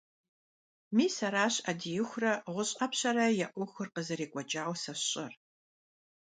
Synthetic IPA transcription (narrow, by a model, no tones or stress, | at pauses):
miːsɐɾaːɕɐdijɪxʷrɐʁʷʊɕʼɐpɕɐɾɐjɛʔʷʊxɨrqəzɨɾeːkʷʼɔd͡ʒʼaːwsɐɕɕʼɐr